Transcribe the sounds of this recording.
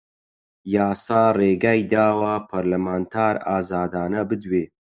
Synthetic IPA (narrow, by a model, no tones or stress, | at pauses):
jaːsaːreːɡaːjd̪aːwɐpʰɐɾlɐmaːnt̪ʰaːɾaːzaːd̪aːnɐbɨd̪weː